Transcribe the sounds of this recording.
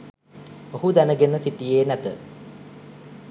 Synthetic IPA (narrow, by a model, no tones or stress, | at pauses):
ohud̪ænəɡenəsitijeːnæt̪ə